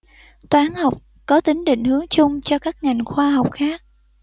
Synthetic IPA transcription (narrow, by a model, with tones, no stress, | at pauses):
t̪waː˨˦nha˨˩wk͡p̚ | kɔ˨˦t̪ï˨˦ŋɗḭ˧˨ŋ̟hɨ˨˦əŋt͡ɕʊ˧ŋ͡mt͡ɕɔ˧kaː˦˥k̚ŋa˨˩jŋ̟xwaː˧ɦa˨˩wk͡p̚xaː˦˥k̚